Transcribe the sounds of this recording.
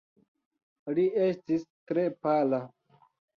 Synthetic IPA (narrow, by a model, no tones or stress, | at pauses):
liestistɾepala